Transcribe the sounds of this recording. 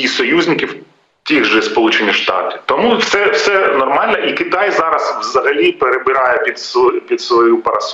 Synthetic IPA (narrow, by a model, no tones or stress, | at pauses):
isɔjuzʲnʲɪkʲiw | t̪ʲiɣʒɛspɔlˠut͡ʃenʲiʃt̪ɑ̰t̪ɪ̥t̪ɔmuwsɛwsɛnɔrmɑlʲnɐʔikɪt̪ɑjzɑɾɐzʋzɐɦɐlʲipeɾebɪɾɑjɛpʲid̪spʲid̪sʋɔjupɐɾɐs